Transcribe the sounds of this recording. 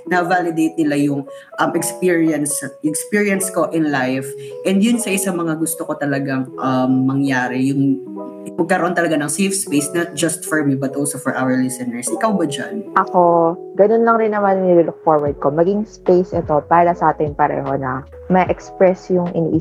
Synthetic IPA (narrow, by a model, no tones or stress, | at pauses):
nɐvaːlɪd̪ejt̪̚nɪlajʊŋ | ʔɐmɛkspiɹiɐnsɛkspiɹijɐnsko̞ʔɪnlajf | ʔɛnd̪jʊnsɐʔɪsɐmɐŋaɡʊst̪okot̪ɐlɐɡaŋʔɐmːɐŋjaːɾɪjʊŋ | mɐɡ̚kːɐɾɐʔont̪ɐlɐɡanɐŋsifspejsnɐd͡ʒɐst̪̚fɔɹmibɐt̪ʔolsofɔɹʔawɛɹlɪsɛnɛɹsʔɪkawbɐd͡ʒa̰nʔɐko̞ɡɐno̞nlɐŋɾɪnːɐmannilʊlʊk̚foɹwɐɹd̪̚ko̞mɐɡiŋspejsʔɛt̪o̞paːɾɐsɐʔaːt̪ɪnpɐɾɛ̰ːɦo̞nɐ | mɐʔɛkspɹɛsjʊŋʔɪnḭːʔɪ